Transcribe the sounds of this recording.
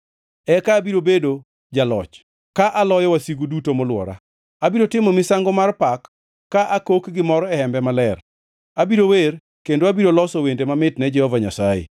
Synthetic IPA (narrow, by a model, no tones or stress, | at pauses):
ɛkaːbiɾobedo | d͡ʒalɔ̰t͡ʃ | kaʔalɔjɔwasiɡudutomɔlwɔ̰ɾa̰ | abiɾotɪmɔmɪsaŋɡomarpakː | aʔakokɡɪmɔɾɔɛhɛmbɛmalɛr | abiɾower | kendoabiɾolɔsɔwendemamɪtnɛd͡ʒɛhɔvaɲasajḛ